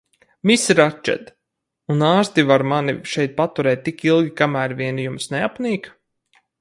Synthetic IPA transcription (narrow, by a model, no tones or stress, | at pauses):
misɾat͡ʃɛ̰d̪ | unaːst̪ivaɾmaniʃɛjt̪̚pat̪uɾɛːt̪̚ʲːikilˠɡʲikamæːɾviɛnijumsneapniːk